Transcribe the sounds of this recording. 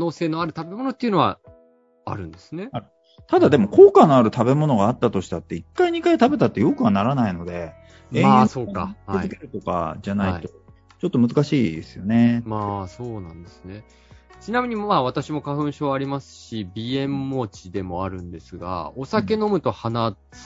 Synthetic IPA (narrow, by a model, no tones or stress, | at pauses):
no̞ːseːno̞aɾɯ̟̥t̪abe̞mo̞no̞t̪ːeiɯ̟no̞βa̰ | a̰ɾɯ̟̃nd̪e̞sɨne̞a | t̪ad̪ad̪e̞mo̞ko̞ːkano̞aɾɯ̟t̪abe̞mo̞no̞ɡaːt̪ːat̪o̞ɕi̥t̪at̪ːe̞ikːaiɲ̟ikait̪abe̞t̪at̪ːejo̞kɯβanaɾanaino̞d̪e̞ | ẽmaso̞ːka̰haeizɨkeɾɯ̟t̪o̞ka̰ʑanait̪o̞ | t͡ɕo̞t̪ːo̞mɯzɨkaɕiːd̪esɨjo̞ne̞maːso̞ːnã̰nd̪e̞sɨ̥ne̞ | t͡ɕinamʲiɲ̟imaːβ̞at̪aɕimo̞kaɸɯ̟̃ɰ̃ɕoβaɾʲimasɨ̥ɕibʲiẽ̞mːo̞ːt͡ɕid̪e̞mo̞aɾɯ̟̃nd̪e̞sɨɡa̰osake̞no̞mɯ̟t̪o̞hanḁ